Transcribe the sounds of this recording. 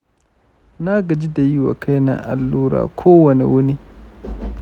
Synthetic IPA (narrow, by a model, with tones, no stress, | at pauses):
na˦ɡɐ˨d͡ʒi˦da˨ji˦wa̰˨kʰa˦jna̰˦ʔa̰˨lːuː˦ɾa̰ː˨kʷʰoː˦wɐ˨nɛ̰˨wʊ˦ni˦